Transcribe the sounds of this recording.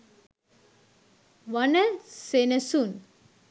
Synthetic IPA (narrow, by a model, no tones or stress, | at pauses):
ʋɐnəsenəsun